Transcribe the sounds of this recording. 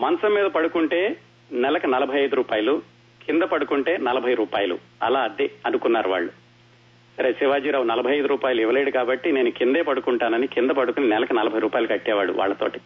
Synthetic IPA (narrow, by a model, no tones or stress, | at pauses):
mɐnɐsɐmːiːd̪ɐpɐɽukuɳʈe̞ː | nɛlɐkɐnɐlɐbʱɐjɐjd̪uɾuːpaːjɐlu | kʰind̪ɐpɐɽukuɳʈe̞ːnɐlɐbʱɐjɾuːpaːjɐlṵ | ɐ̰laːɐd̪eɐnukunːaːɾuʋa̰ːɭːu | sɐɾeːsiʋaːd͡ʒiːɾaːwunɐlɐbʱɐjɐjd̪uɾuːpaːjɐluiʋɐle̞ːɽukaːbɐʈːine̞ːnukind̪e̞ːpɐɽukuɳʈaːnɐnikind̪ɐpɐɽukuninɛlɐkɐnɐlɐbʱɐjɾuːpaːjɐlukɐʈːɛːʋaːɽṵʋʔa̰ːɭːɐt̪o̰ːʈi̥